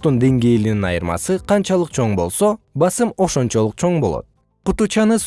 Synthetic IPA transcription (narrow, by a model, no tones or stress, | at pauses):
t̪ːund̪e̞ŋɡejlininɑ̰jɯɾmɑ̰sɯqʰɑnt͡ʃɑlˠɯq̚t͡ʃʰo̞ɴbo̞̰lˠso̞bɑsɯmo̞ʃo̞nt͡ʃo̞lˠuq̚t͡ʃʰo̞ɴbo̞lˠo̰t̪̚ | qut̪ut͡ʃɑnɯs